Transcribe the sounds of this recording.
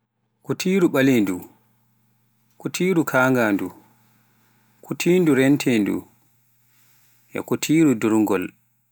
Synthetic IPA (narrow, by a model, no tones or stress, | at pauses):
kutʰiːɾuɓalindu | kutʰiːɾukʰaːŋɡaːndu | kutʰiːnduɾɛntʰɛndṵ | ʔɛ̰kutʰiːɾuduɾŋɡɔl